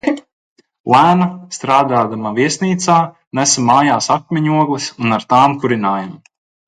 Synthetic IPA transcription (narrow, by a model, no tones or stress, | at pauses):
lˠæːnast̪ɾaːd̪aːd̪amaviɛsʲniːt̪saː | næsamaːjaːsak̚mʲɛɲʲuɔɡlˠisunaɾt̪aːmkuɾinaːjam